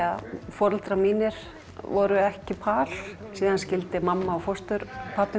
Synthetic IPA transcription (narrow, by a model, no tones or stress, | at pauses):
afɔɾlt̪ɾamiːnɪɾ̥ | vɔ̰ɾʏɛhcɪpʰaːl | siːðanscɪlt̪ɪmamːaɔfɔst̪ʏɾpʰaːpɪ